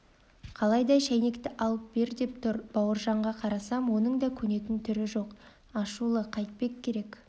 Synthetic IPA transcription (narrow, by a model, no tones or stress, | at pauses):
qʰɑlˠɑjd̪ɑʃæjne̞kt̪ɪʔɑlˠəp̚b̥e̞ɾd̪e̞pt̪ʰʊɾb̥ɑwəɾʒɑɴʁɑqʰɑɾɑsɑmwo̞nəɴd̪ɑkʲʰɵne̞t̪ɪnt̪ʰʏɾɪʒo̞q | ɑʃulˠəqʰɑjt̪̚pe̞kkʲʰːe̞ɾe̞k